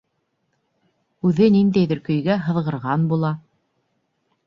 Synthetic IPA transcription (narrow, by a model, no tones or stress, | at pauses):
ʉðɘnind̪æjðɘɾkɵ̆jɡæɦɤ̆ðʁɤ̆ɾʁɑnbulˠɑ